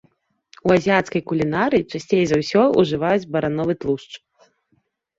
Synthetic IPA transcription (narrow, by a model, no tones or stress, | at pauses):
uazʲijat̪skɐjkulʲinaɾɨjit͡ʂasʲt͡sʲejɛzɐwsʲɔṵʐɨvajud͡zʲbɐɾanɔvɨt̪lˠuʂt͡ʂ